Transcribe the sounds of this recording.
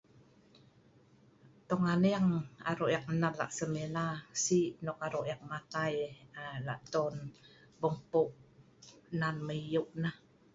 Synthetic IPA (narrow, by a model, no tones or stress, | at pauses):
t̪oŋaneaŋa̰ɾoʔjak̚nalːa̰ʔsəmelasiʔnɔkaɾoʔjak̚mat̪ajala̰ʔt̪ɔn | bəmpuʔ | nanməijuʔnah